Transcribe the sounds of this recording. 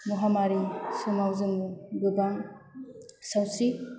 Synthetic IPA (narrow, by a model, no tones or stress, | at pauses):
muɦamaɾisɯmawzɯmubɯbaŋ | sawsi